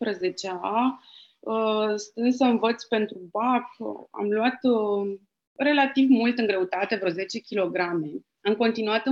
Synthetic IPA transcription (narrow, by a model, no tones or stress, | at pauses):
pɾəze̞t͡ʃea | əst̪ɨnd̪s̬əɨnvət̪sʲpe̞nt̪ɾubaka̰mluat̪ | re̞lat̪ivmult̪ɨŋɡɾe̞ut̪at̪e̞vɾoze̞t͡ʃe̞kʲilo̞ɡɾame̞ | amko̞nt̪inuat̪ɨ